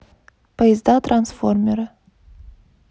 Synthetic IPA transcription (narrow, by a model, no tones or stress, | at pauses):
pʰəjɪzd̪ɑt̪ransformʲeɾə